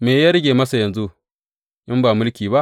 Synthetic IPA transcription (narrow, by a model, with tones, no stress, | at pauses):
meː˨jɐ˦ɾɡʲeː˨mɐ˦sa˨jɐ˨nzu˦ | ʔɪ˦mbaː˨mʊ˦lkʲiː˨ba˦ʔ